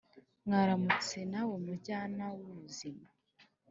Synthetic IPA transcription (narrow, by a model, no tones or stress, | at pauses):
ŋaɾamut͡se̞nawe̞muɾɟaːnawuβuzima